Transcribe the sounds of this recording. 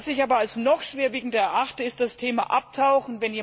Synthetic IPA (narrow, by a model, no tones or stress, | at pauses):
sɪçʔaːbɐalsnɔχʃv̥eːɐviːɡŋ̩dɐɛɐʔaχtəɪst̚d̥astʰeːma̰ʔap̚tʰaʊxn̩vɛnjeː